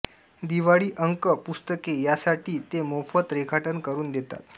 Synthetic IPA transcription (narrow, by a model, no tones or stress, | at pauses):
d̪iʋaɽiːʔəŋkəpust̪əkejasaʈʰiːt̪emofət̪ɾekʰaʈənkəɾuːnd̪et̪a̰t̪̚